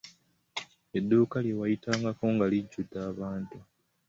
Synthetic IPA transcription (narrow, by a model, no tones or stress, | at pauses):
edːuːkaljewajitaːŋɡakoŋɡaliɟːudːaːβaːntu